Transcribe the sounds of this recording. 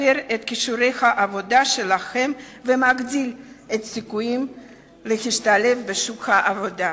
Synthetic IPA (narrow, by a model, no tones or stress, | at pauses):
eɾet̪kiʃuɾe̞jhaʔavo̞d̪aʃelaχe̞mvemaɡd̪ilet̪sikujim | lehiʃt̪ale̞fbeʃukhaʔavod̪a